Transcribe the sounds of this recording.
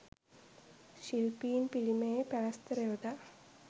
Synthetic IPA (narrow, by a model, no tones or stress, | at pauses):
ɕilpiːnpiɭimepaːst̪ɐɾeʋd̪a